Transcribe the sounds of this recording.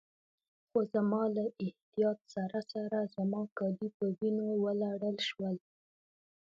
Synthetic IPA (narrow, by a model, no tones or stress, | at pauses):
xozamɑlaʔɪht̪ijɑt̪̚saɾasaɾazamɑkɑd̪ipəwinowəlaɽəlʃwəl